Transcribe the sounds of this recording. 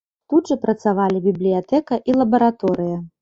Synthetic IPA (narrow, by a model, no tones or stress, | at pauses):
t̪ud̪ʐɐpɾɐt̪savalʲibʲiblʲijat̪ɛkɐʔilˠɐbɐɾat̪ɔɾɨjɐ